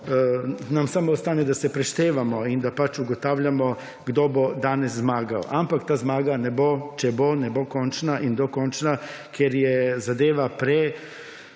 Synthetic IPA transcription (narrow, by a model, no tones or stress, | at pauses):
namsamoost̪aned̪asepɾeʃt̪eːʋamoid̪apat͡ʃuɡot̪aːʋʎamo | ɡd̪obod̪aneszmaːɡao̰ʔampakt̪aːzmaːɡanebot͡ʃebonebokont͡ʃnaʔind̪okont͡ʃnakjeɾjezad̪eːʋapɾe